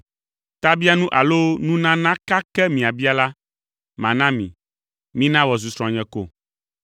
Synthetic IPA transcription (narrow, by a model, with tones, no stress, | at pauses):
t̪a˦bi˦a˦nũ˦ʔa˨lo˦nũ˦nã˦nã˦ka˦kɛ˦mĩ˨a˨bi˦a˨la˦ | mã̰˨nã˦mḭ̃˨ | mĩ˦nã˦wɔ˨zu˨sɾɔ̃˨a˨ɲɛ̃˨ko̰˦˨